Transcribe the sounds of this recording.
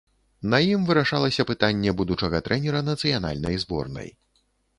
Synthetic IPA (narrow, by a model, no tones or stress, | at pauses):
nɐjimvɨɾaʂalˠɐsʲɐpɨt̪anʲːɛbud̪ut͡ʂɐɣɐt̪ɾʔɛnʲɛɾɐnɐt̪sɨjana̰lʲnɐ̰jzbɔ̰rnɐ̰j